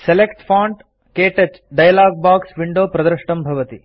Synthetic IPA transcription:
selekʈpʰaːɳɖ | keːʈɐt͡ʃ | ɖɐjɐlaːɡ̚baːksʋiɳɖoːpɾɐd̪ɾʂʈɐmbʱɐʋɐt̪i

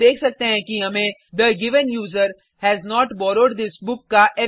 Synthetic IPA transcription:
eːkʰsɐk̚t̪eɦɛ̃kiɦɐmẽd̪əɡɪʋə̃njuːzəɾ | hɛːznɔːʈbɔːɾoːɖd̪ɪsbʊkːaʔɛ

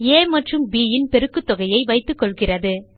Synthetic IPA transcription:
eːmɐʈrɯmbiːjɪnpɛɾɯkːɯt̪ːɔɣɐjɐɪʋɐɪt̪ːɯkːɔɭɣɪrɐðɯ

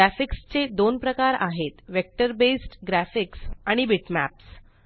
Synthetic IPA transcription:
æfikst͡sed̪onpɾəkaɾa̰ɦet̪ʋek̚ʈəɾbesʈɡɾæfiksaɽ̃ibiʈmæ̰ps

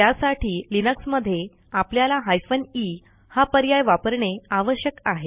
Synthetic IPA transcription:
t̪jasaʈʰiːlinəksməd̪ʱːje | apljalaɦajfəni | hapəɾjajʋapəɾɳeaʋəɕjəkaɦe

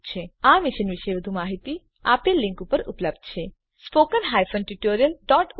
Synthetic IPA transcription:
t͡ʃʰeamɪʃənʋiʃəeʋəd̪ʱumaɦit̪i | a̰pelɪ̃ŋkupəɾṵpləb̚d̪t͡ʃʰe | spokəɾɦajfənʈuʈoɾijəlɖɔʈ

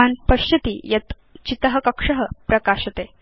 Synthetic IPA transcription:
anpɐɕjɐt̪iːjɐt̪ | t͡ɕit̪əɦəkɐkʂəɦəpɾɐkaɕɐt̪e

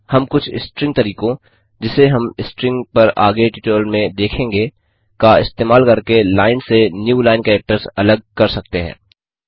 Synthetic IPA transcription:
hɐmkʊt͡ʃʰɪ̰sʈɾɪ̃ŋɡ̚t̪ɐɾiːkõ | d͡ʒɪseɦɐmɪsʈɾɪ̃ŋɡpɐɾa̰ːɡeʈiːʈoːlmẽd̪eːkʰẽːŋɡe | kaɪst̪eːmaːlkɐɾkelaːɪnsenjuːlaːɪnkɛːk̚ʈəɾsɐləɡ̚kɐɾsɐk̚t̪eɦɛ̰̃ː

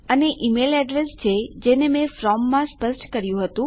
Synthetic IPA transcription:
əneʔimelɛɖɾest͡ʃʰed͡ʒenemẽfɾɔmːãspəsʈkəɾjũɦət̪ũ

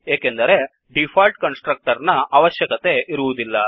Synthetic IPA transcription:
eːkend̪ɐɾe̞ | ɖipʰaːlʈ̚kɐnsʈɾɐk̚ʈɐɾnɐʔɐʋɐʃjɐkɐt̪e̞ʔiɾuʋud̪ilːɐ

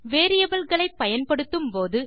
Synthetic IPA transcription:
ʋeːɾɪjɐbɐlɣɐɭɐɪpːɐjɐnpɐɽɯt̪ːɯmpoːðɯ

